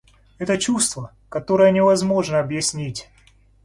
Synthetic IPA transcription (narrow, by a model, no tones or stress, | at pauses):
ɛt̪ət͡ɕust̪və | kɐt̪o̞ɾəjənʲɪvɐzmo̞ʐnəɐbjɪsʲnʲitʲ